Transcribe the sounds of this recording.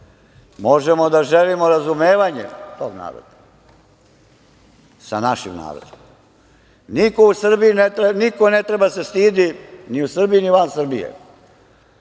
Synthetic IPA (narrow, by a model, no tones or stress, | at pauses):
moʒemod̪aʒelimoɾazumeːʋaɲḛt̪oɡna̰ːɾo̰d̪ḁ | sa̰naʃḭmna̰ːɾo̰d̪om | niko̞usr̩biinet̪ɾenikonet̪ɾe̞base̞st̪iːd̪iniusr̩bijiniʋansr̩bijḛ